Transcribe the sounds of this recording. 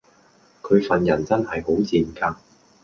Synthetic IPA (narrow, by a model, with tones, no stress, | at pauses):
kʰɵ˨˧ɥfɐ˨njɐ˨˩nt͡sɐ˥nhɐ˨jɦo˨˥wt͡siː˨nkaː˧